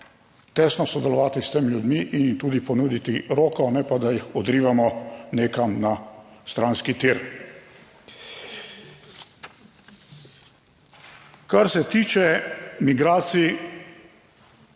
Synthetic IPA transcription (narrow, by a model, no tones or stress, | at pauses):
t̪ɛsnɔsɔd̪ɛlɔʋaːt̪ist̪eːmiljud̪miʔinimt̪uːd̪ipɔnuːd̪it̪iɾoːkɔnɛpad̪ajixɔd̪ɾiːʋamɔneːkamnast̪ɾaːnskit̪iɾ | kaɾsɛt̪iːt͡ʃɛmiɡɾaːt̪si